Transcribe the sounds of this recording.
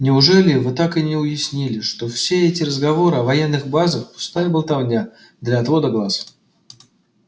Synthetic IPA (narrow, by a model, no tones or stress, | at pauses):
nʲɪʊʐɛlʲɪvɨt̪akɨnʲɪʊjɪsʲnʲilʲɪʂt̪o̞fsʲeɛtʲɪɾəzɡɐvo̞ɾɨɐvɐjenːɨɣbazəxpʊ̥st̪ajəbəlˠt̪ɐvnʲa | d̪lʲɐːt̪vo̞d̪əɡlˠas